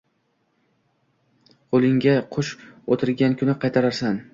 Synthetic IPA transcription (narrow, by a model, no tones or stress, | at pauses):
qʰolˠɪŋɡʲaqʰʊʃot̪ʰɪɾɡʲankʰʊnɪqʰɑjt̪ʰaɾaɾsan